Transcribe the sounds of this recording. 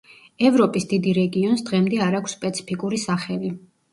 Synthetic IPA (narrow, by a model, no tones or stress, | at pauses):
ɛvɾɔpʼisd̪id̪iɾɛɡiɔnsd̪ʁɛmd̪ɛaɾakʰsːpʼɛt̪sʰi̥pʰikʼuɾisaχɛvi